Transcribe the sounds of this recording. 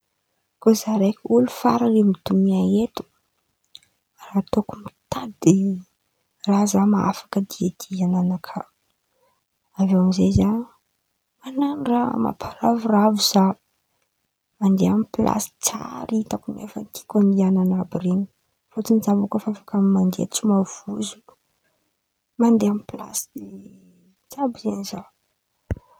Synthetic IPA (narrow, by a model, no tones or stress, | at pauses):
kozaɾejkʲulufa̰ɾaremit̪umiaet̪u̥ | rat̪okumit̪ʰad̪e | razamaa̰fḁkəd̪iad̪̥iananakʰa | avewamizeza | mananurama̰pʰaɾavuravuz̥a | mand̪eamipilʔa̰si̥t͡sa̰ɾit̪akunefənt̪ʰi̥kʲaniananabireɲu̥ | fot͡sinizavukəfafakamimand̪eat͡simav̥uzuk | mand̪eamipila̰si | t͡sabizeniza